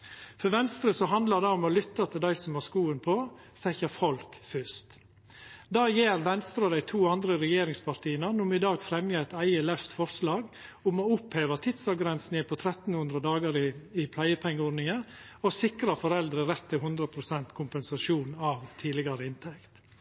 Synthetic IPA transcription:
fɔɾʋɛnst̪ɾəsɔɦɑnd̪ləd̪ɛʊmɔlʏt̪ːɑt̪ʰɪld̪æɪsɔmæskuːənpʰɔ | sɛçəfɔlkfʏst̪ | d̪ɑːjeːɾʋɛnst̪ɾɑd̪æɪt̪ʰuːɑnd̪ɾəɾɛjeːɾɪŋspʰɑɾt̪ʰiːənənʊmɪd̪ɑːɡfɾɛmjəæɪt̪æɪəlœft̪fɔɾslɑːɡʊmɔʊpheːʋɑt̪ʰɪd̪sɑɡɾɛnsnjəpʰɔt̪ʰɾɛt̪n̩hʉnd̪ɾəd̪ɑːɡəɾɪɪpʰlæɪəpʰɛŋːəoːnɪŋə | ɔsɪkɾɑfɔɾɛld̪ɾəɾɛt̪ʰːɪlɦʉnd̪ɾəpʰɾʊsɛnt̪kʰʊmpɛnsɑʂuːnɑʋt̪ʰiːlɪɡɑɾəɪnt̪ʰɛkt̪

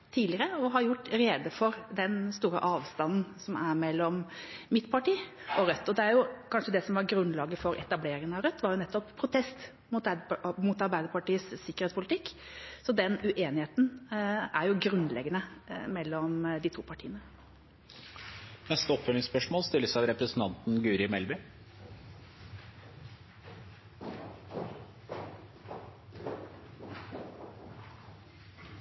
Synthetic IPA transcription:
t̪ʰiːlɪəɾəɔɦɑɾjʊʈːɾeːd̪əfɔɾd̪ɛnst̪uːɾə̰ʔɑːʋst̪ɑnn̩sɔmæɾmɛlːɔmmɪt̪pʰɑʈiːʔɔɾœt̪ːɔd̪ɛæɾjʊkʰɑnʂəd̪ɛsɔmʋɑɾɡɾʉnlɑːɡəfɔɾɛ̰t̪ɑbleːɾɪŋənɑʋɾœt̪ːʋɑɾjʊnɛt̪ːɔppʰːɾʊt̪ʰɛst̪ | mʊt̪mʊt̪ɑɾbæɪd̪əɾpɑʈiːəsːɪkəɾeːtspʊlɪt̪ʰɪkː | sɔd̪ɛnʉʔeːnɪheːt̪næɾjʊɡɾʉnlɛ̰ɡənəmɛlːɔmd̪ɪt̪ʰṵːpʰɑʈʰḭːənə | nɛst̪əɔpːfœlɪŋspœʂmoːlst̪ɪlːəsɑʋɾɛpɾəsn̩t̪ʰɑnt̪n̩ɡʉːɾɪmɛlbʏ

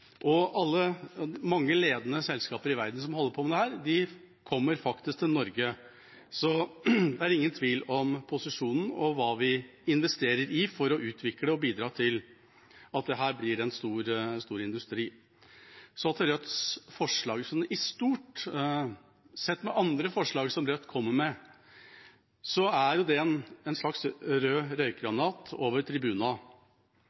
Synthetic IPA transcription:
ʔɔɑlːəmɑŋːəleːd̪ənəsɛlskɑːpəɾɪʋæɾd̪n̩sɔmhɔlːəɾpʰɔɔmd̪ɛhæːɾd̪ɪ | kʰɔmːəɾfɑkt̪ɪsk̚t̪ʰɪlnɔɾɡə | sɔd̪ɛæɾɪŋːənt̪ʰʋiːlɔmpʰʊsɪʂuːnn̩ɔʋɑːʋɪɪnʋɛst̪eːɾəɾɪfɔɾɔʔʉːt̪ʰʋɪkləɔbiːd̪ɾɑːt̪ʰɪl | ɑt̪̚d̪ɛɦæːɾblɪɾɛnst̪uːɾst̪uːɾɪnd̪ʉst̪ɾiː | sɔɑt̪ɾœt̪sfɔʂɭɑːɡsɔnɪst̪uːʈ | sɛt̪ːmɛʔɑnd̪ɾəfɔʂɭɑːɡsɔmɾœt̪ːkʰɔmːəɾmɛ | sɔæɾjʊd̪ɛɛnɛnʂɭɑksɾøːɾœʏkɾɑnɑːt̪oːʋəɾʈ̪ʰɾɪbʉːnɑ

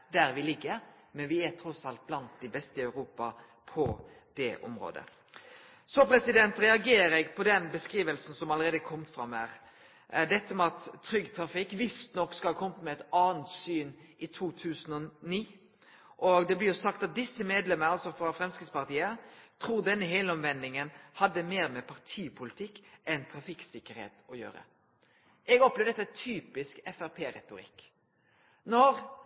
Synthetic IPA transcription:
d̪æɾʋɪlɪɡːəɾ | mɛnʋɪæt̪ʰɾɔsɑlt̪̚blɑnt̪̚d̪ɪbɛst̪əɑʉɾuːpɑ | pʰɔ | d̪̥ɛʔɔ̰mɾo̰ːd̪ə̰ | sɔpʰɾɛsɪd̪ɛnt̪ɾɛɑɡeːɾɛɡpʰɔd̪ɛnbəskɾiːʋəlsn̩sɔmɑləɾeːd̪əkʰɔmt̪fɾɑmæɾ | d̪ɛt̪ːəmɛɑt̪ʰːɾʏɡːt̪ʰɾɑfɪkːʋɪst̪nɔkːskɑlkʰɔmət̪mɛɛt̪ɑːənt̪syːn | ʔɪt̪ʰuːt̪ʰʉːsənɔniː | ʔɔɡd̪ɛblɪɾjʊsɑkt̪ɑt̪̚d̪ɪsːəmeːd̪lɛmənəɑlsɔfɾɑfɾɛmskɪt̪spɑʁt̪iːət̪ʰɾuːɾd̪ɛnːəɦeːləɔmʋɛnd̪ɪŋənhɑd̪ːəmeːɾmɛpʰɑʁt̪ʰiːpʰʊlɪt̪ʰɪkːʔɛnt̪ʰɾɑfɪksɪkːəɾhḛːt̪ɔjø̰ːɾə̰ | ʔɛɡɔpːlɛːʋəd̪ɛt̪ːt̪ʰyːpɪskɛfæɾpʰeːɾɛ̰t̪ʊɾɪ̰kː | nɔɾ

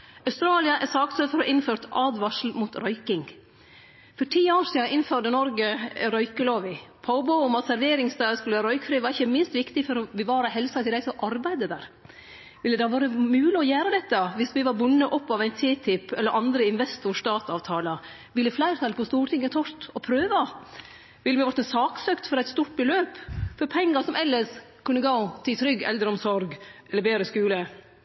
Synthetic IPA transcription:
ɑʉst̪ɾɑːlɪɑʔæsɑːktsøːfɔɾɔʔɪnføːɾt̪ʔɑːd̪ʋɑʂl̩muːt̪ɾœʏkɪŋ | fɔɾʈʰiːoːɾsiːɑʔɪnføːɖənɔɾɡəɾœʏkəloːʋɪpʰɑʊbɔʊʊmɑt̪sæɾʋeːɾɪŋsd̪ɑːəskʉlʋæːɾœʏkfɾiːʋɑɾɪçːəmɪnst̪ʋɪkt̪ɪfɔɾɔbəʋɑːɾəhɛlsɑt̪ʰɪld̪æɪsɔʔɑɾbæɪd̪əd̪æːɾ | ʋɪlːəd̪ɛʋɑːɾəmʉːlɪɔjæːɾəd̪ɛt̪ːəʋɪsʋɪʋɑɾbʊnːəʔɔpːɑʋæɪnt̪ʰiːt̪ʰɪpːɛlːəɾʔɑnd̪ɾəɪnʋɛst̪ʊɾʂt̪ɑːt̪ɑːʋt̪ʰɑːlɑ | ʋɪlːəflæɪɾət̪ʰɑlpʰɔst̪uːʈʰɪŋːət̪ʰɔɾt̪ɔpʰɾøːʋə | ʋɪlːʋɪʋɔʈ̪ːəsɑːksøːkt̪fɔɾɛɪt̪st̪uːʈ̚bəløːpfɔɾpʰɛŋːəsɔmʔɛlːəs | kʰʉnːəɡoːt̪ʰɪlt̪ʰɾʏɡɛ̰lːəɾɔmsɔɾɡʔɛləɾbeːɾəskʉːlə

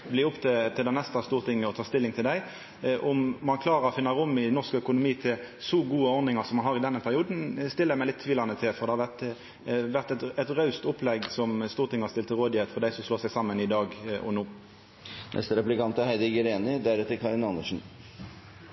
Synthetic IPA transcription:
bliːʊpːt̪ʰɪt̪ʰɪld̪ænɛst̪əst̪uːʁt̪ʰɪŋːəɔt̪ʰɑːst̪ɪlːɪŋt̪ʰɪld̪æɪ | ʔʊmːɑnkʰlɑːɾəʁɔfɪnːəɾʊmːɪnɔʁskəœkʊnʊmiːt̪ʰɪsɔɡuːəɔɾnɪŋɑʁsɔmːɑnhɑʁɪd̪ɛnːəpʰæɾɪuːd̪n̩st̪ɪlːəmæɪlɪt̪ʰːʋiːlɑnət̪ʰɪlfɔɾd̪ɛhɑʋæʁt̪ | ʋæʁt̪ɛt̪ɛt̪ʁɑʉst̪ʊpːlɛɡsɔmst̪uːɾt̪ʰɪŋːəhɑst̪ɪlt̪ʰːɪɾʁoːd̪ɪheːt̪fɔʁd̪æɪsɔmsloːsɛɪɡsɑmːənɪd̪ɑːɡɔ̰nuː | nʔɛ̰st̪əɾɛplɪkɑnt̪ɑhæɪd̪ɪɡəɾeːnɪd̪æɾʉt̪əkʰɑɾɪnɑnːəʂn̩

